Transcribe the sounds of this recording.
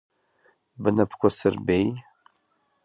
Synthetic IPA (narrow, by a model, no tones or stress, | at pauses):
bɨnɐpʰkʷʰɔsɨrbej